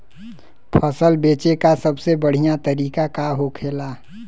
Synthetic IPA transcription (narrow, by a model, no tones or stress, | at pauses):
pʰəsəlbeːt͡ʃekasəbsebəɽ̤ijat̪əɾiːkakaɦokʰeːla